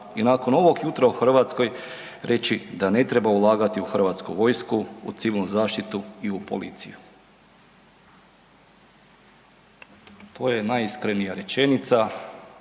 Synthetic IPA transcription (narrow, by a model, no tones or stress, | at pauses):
inaːko̞no̞ʋo̞ɡjut̪ɾauxr̩ʋat̪sko̞j | ɾe̞t͡ɕid̪ane̞t̪ɾebaulˠaːɡat̪iuxrʋat̪skṵʋo̞jskṵːt̪siʋilnuzaːʃt̪it̪uiupo̰lḭːt̪sḭju | t̪ʰo̞ːjenajiskɾenijaɾe̞t͡ʃe̞nit̪sa